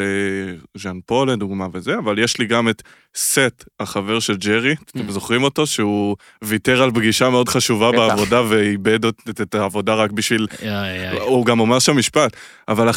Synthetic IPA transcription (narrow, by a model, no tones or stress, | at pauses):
eʒanpo̞led̪uɡmavezeavaljeʃliɡame̞t̪ | setaχave̞ʁʃe̞ld͡ʒeʁimzo̞χʁimo̞to̞ʃeu | viteʁalbɡiʃame̞o̞dχaʃuvabeavo̞daveibedoetaːvo̞daʁakbiʃvil | uɡamo̞meʁʃeamiʃpat | avala